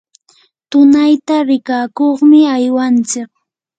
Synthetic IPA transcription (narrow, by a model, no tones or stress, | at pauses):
t̪ʊnajt̪aɾɪkaːkoχmɪajwant͡sɪk̚